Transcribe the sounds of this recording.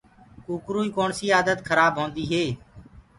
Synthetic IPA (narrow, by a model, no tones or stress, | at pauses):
kuːkɾuːiːkoːɳsiːaːd̪ət̪kʰəɾaːbʱɦõːnd̪iːɦeː